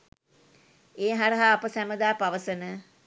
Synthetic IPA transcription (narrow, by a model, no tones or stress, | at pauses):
eːɦaɾəɦaːpəsæməd̪aːpaʋəsənə